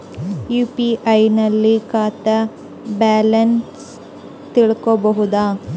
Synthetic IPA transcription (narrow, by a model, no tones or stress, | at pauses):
juːpiʔɐjnɐlːikaːt̪ɐ | baːlɐns | t̪iɭkobɐɦud̪aː